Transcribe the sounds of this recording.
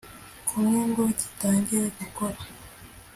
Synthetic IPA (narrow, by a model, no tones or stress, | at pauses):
kʰumŋeːŋɡoɟi̥taːɲɟiɾeɡukoɾa